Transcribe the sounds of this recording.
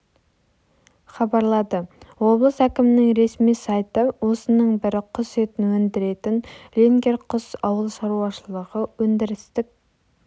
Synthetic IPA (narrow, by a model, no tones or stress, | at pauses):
χɑbɑɾlˠɑd̪əwo̞blˠəsækʲɪmɪnɪŋɾe̞smijsɑjt̪əwo̞sənəɴbɪɾɪqʰʊset̪ɪnwɵnd̪ɪɾe̞t̪ɪnlʲeŋɡʲe̞ɾqʰʊsɑwəlˠʃɑɾuɑʃəlˠəʁəwɵnd̪ɪɾɪst̪ɪk̚ʲ